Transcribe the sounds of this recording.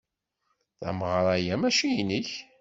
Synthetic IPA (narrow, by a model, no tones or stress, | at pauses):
θæ̰mʁɾˤæjæmæʃijiniç